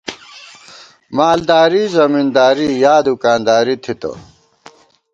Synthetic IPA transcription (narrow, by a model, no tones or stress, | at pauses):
maːld̪aːɾizɐmind̪aːɾijaːd̪ukaːnd̪aːɾit̪ʰit̪ɐ̰